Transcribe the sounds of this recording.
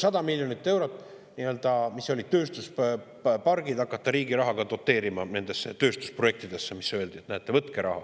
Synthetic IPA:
sɑd̪̥ɑmilʲjonit̪ːe̞wɾo̞t̪ːˑ | niø̞ld̪̥ɑmiso̞lʲid̪t̪ø̞ːst̪us | pɑrɡ̥id̪ɑkːˑɑt̪ːɑɾiːɡiɾɑɦɑɡ̥ɑd̪o̞t̪ːˑe̞ːɾimɑne̞nd̪e̞sːet̪ø̞ːst̪u̥sproek̚t̪id̪̥e̞sːemisːø̞e̞ld̪iet̪næet̪ːˑe̞vɤt̪ke̞ɾɑɦɑ̰

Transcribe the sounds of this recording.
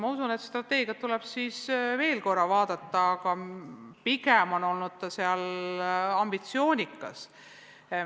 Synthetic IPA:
mɑusune̞t̪st̪ɾrɑt̪ːe̞ːɡ̥iɑt̪ːulɛb̥siːsve̞ːlko̞rːɑvɑːd̪ɑt̪ːˑɑːɡɑpikemo̞no̞lnud̪̥̚t̪ɑseɑl | ɑmb̥it̪sio̞ːnʲikːˑɑ̰s

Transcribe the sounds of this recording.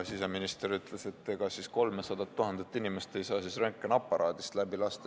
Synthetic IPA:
siseminist̪eɾyt̪ˑle̞se̞t̪ːe̞ɡ̥ɑsisko̞lmesɑd̪̥ɑt̪ːuɦɑnd̪et̪ːˑinimest̪e̞jsɑːsisreŋkːˑenɑpˑːɑɾɑːd̪̥ist̪læbilɑst̪e

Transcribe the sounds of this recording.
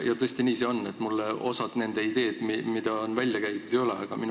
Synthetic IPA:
jɑt̪ɤsʲt̪iniːse̞o̞nːet̪ːˑmulːeo̞̰sɑd̪̥ne̞nd̪̥e̞id̪e̞ːd̪̥mimid̪ɑonvælʲjɑkæjt̪ud̪ejo̞le̞ɑɡ̥ɑmin

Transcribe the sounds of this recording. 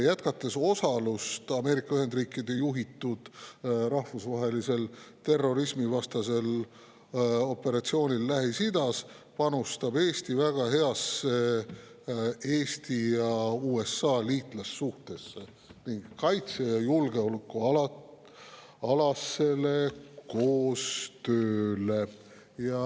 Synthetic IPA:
jæt̪kɑt̪ːˑe̞so̞sɑlust̪ɑme̞ːɾikːˑɑyɦe̞nd̪riːkːˑid̪e̞juɦit̪ːˑud̪̥ɾɑhfusvɑɦe̞lise̞lt̪e̞rːo̞ɾismivɑst̪ɑse̞l | o̞pːe̞ɾɑt̪sio̞ːnʲilːæɦisid̪ɑs | pɑnust̪ɑb̥e̞ːst̪ivæɡ̥ɑɦe̞ɑsːe̞ | e̞ːst̪ijɑuːe̞sːɑːliːt̪ˑlɑsːuht̪e̞sːe | niŋɡkɑjt̪sejɑjulɡe̞olukːuɑ | ɑlɑsːe̞le̞ko̞ːst̪øːle̞ | jɑ

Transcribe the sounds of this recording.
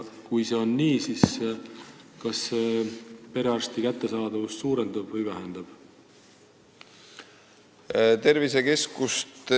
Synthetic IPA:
kujse̞o̞nːiːsis | kɑsːepe̞ɾeɑrst̪ikæt̪ːe̞sɑːd̪̥ɑvust̪suːɾe̞nd̪̥ɑb̥vɤjvæɦend̪̥ɑb̥ | t̪e̞ɾvise̞ke̞skust̪

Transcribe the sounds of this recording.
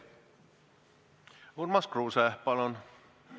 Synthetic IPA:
uɾmɑskruːsepɑlon

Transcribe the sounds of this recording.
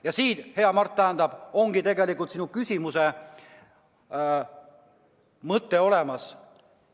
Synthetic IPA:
jɑsiːt̪he̞ɑmɑrt̪̚ːt̪æɦænd̪ɑb̥o̞ŋɡ̥it̪e̞ɡe̞likːˑult̪sinukysʲimuse̞ | mɤt̪ːe̞o̞le̞mɑs

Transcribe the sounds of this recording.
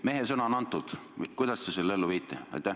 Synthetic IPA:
me̞ɦesɤnɑonɑnt̪ːˑud̪̥kujd̪̥ɑst̪eselːelːuviːt̪ːˑḛɑ̰jt̪ʲːˑæ

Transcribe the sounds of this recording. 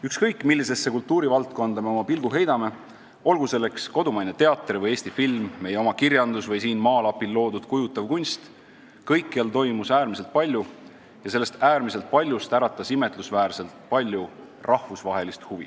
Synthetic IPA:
ykskɤjkːˑmilːise̞sːe̞kult̪ːˑuːɾivɑlt̪̚ˑko̞nd̪̥ɑme̞o̞mɑpilɡ̥̪uɦe̞jd̪̥ɑme̞ | o̞lɡ̥use̞lːe̞ksko̞d̪umɑjnet̪e̞ɑt̪ːˑrivɤje̞ːsʲt̪ifilmːe̞jeo̞mɑkiɾjɑnd̪̥usvɤjsiːnmɑːlɑpilːo̞ːd̪ud̪̥kujut̪ːˑɑvkunʲst̪ | kɤjkːeɑlt̪o̞jmusæːɾmise̞lt̪̚pɑlʲju | jɑse̞lːe̞st̪æːɾmise̞lt̪̚pɑlʲjust̪æɾɑt̪ˑːɑsime̞t̪ˑlusvæːrse̞lt̪pɑlʲju | rʔɑhvusvɑɦe̞list̪huvḭ

